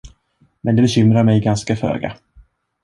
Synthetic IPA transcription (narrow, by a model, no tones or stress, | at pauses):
mɛnd̪ɛbɛɕʏmɾaɾmɛjɡanskafø̰ːɡa̰